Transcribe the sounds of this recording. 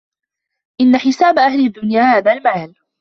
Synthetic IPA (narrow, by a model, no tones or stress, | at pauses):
ʔɪnːaħɪsaːbʔahlad̪ːʊnjaːhaːðaːlmaːl